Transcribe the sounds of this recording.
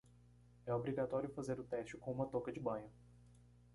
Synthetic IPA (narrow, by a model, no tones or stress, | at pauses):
ɛobɾiɡat̪ɔɾjʊfazeɾʊt̪ɛst͡ʃɪkõũmɐt̪okɐd͡ʒɪbɐ̃jɲʊ